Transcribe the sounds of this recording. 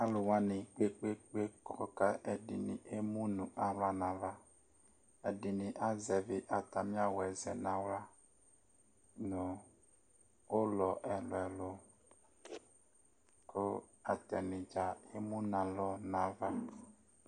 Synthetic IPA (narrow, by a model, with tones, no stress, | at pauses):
a˦lo˨wã˦nĩ˨k͡pe˦k͡pe˦k͡pe˦kɔ̰˦ka˦ʔɛ˨dḭ˨nḭ̃˨ʔe˦mũ˦nũ˨ʔa˨wla˦nã˨va˦ | ɛ˨di˨nĩ˨ʔa˦zɛ˨vɪ˨ʔa˨t̪a˨mĩ˦a˦wɛ˨zɛ̰˨nã˦wla˦ | nõ˨ | wo˦lɔ˨ʔɛ˨lɔ˨ɛ˨lo˨ | ko˦a˨t̪ɛ˨nĩ˨d͡ʒa˨e˦mũ˦nã˨lɔ˦nã˨va˦